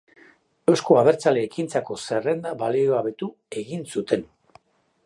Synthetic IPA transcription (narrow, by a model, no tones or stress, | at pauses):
e̞wsko̞aβ̞e̞ɾt͡sale̞ːkint͡sako̞se̞re̞nd̪aβalioaβe̞t̪u | e̞ɣinsut̪e̞n